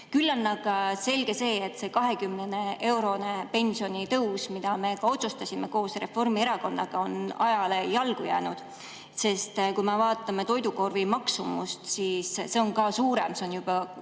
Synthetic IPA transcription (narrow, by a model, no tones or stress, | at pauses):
kylːɑnːɑɡ̥ɑse̞lɡ̥e̞se̞ːet̪ːˑse̞ːkɑɦe̞kymnene̞e̞wɾo̞nepe̞nʲsio̞nʲit̪ɤwsmid̪̥ɑme̞kɑo̞t̪sust̪ɑsʲime̞ko̞ːsre̞fo̞rmie̞ɾɑko̞nːɑɡ̥ɑo̞nɑjɑle̞jɑlɡ̥ujæ̰ːnud̪̥ | se̞st̪kumevɑːt̪ˑːɑme̞t̪o̞jd̪uko̞rvimɑksumṵst̪siːsse̞o̞nkɑːsuːɾe̞̰mse̞onjub̥ɑ